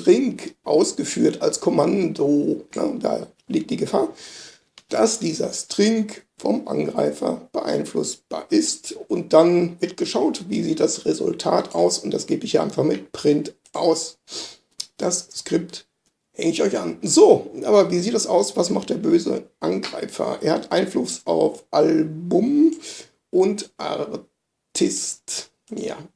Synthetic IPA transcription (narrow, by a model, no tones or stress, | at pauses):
tʁ̥ɪŋkʔaʊsɡ̥əfyːɐtalskʰɔmandonə̰d̥a̰ː | liːk̚t̚d̥iːɡəfaːɐ | d̥asd̥iːzɐ̰stʁ̥ɪŋkfɔ̰mʔa̰nɡʁa̰ɪfɐ̰b̥əʔa̰ɪnflʊ̰sb̥a̰ːɐʔɪstʊnt̚d̥anmɪtɡ̥əʃaʊtvḭːziːt̚d̥asʁezʊ̰ltʰa̰ːtʔaʊsʊntd̥a̰sɡ̥eːbəɪçjaːʔaɪnfaχmɪtpʁ̥ɪnt | ʔaʊs | d̥asskʁ̥ɪpt | hɛŋəɪçɔʏçʔa̰nzoːʔaːbɐviːziːt̚d̥asʔaʊsvasmaχt̚d̥eːɐbøːzə̰ʔanɡʁa̰ɪfɐ̰ʔeːɐhatʔaɪnflʊsʔaʊfʔalbʊm | ʔʊntʔa̰ʁ | tʰɪst | ja̰